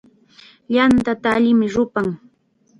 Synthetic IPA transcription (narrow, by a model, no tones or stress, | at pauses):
ʎant̪at̪aːʎɪmɪɾʊpaŋ